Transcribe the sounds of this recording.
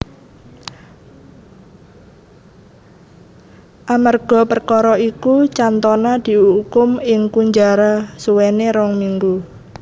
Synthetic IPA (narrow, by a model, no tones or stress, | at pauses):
ʔamarɡ̥ɔ̤pərkɔɾɔikut͡ʃant̪ɔnad̪̥i̤uukʊmɪŋkuɲd͡ʒaɾasuwɛneɾɔŋmiŋɡu